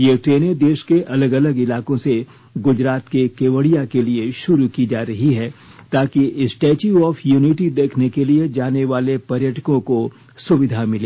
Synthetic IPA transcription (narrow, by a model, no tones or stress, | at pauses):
jeʈɾeːned̪eːʃkeʔɐləɡɐləɡɪlaːkõse | ɡʊd͡ʒɾaːt̪kekeːʋəɽijakelieʃʊɾukid͡ʒaːɾɐɦiɦɛː | t̪aːkiɪsʈɛːt͡ʃuɔːfʰjuːniʈid̪eːkʰnekelied͡ʒaːneʋaːlepɐɾjəʈʰəkõko | sʊʋɪd̪ʱamɪleː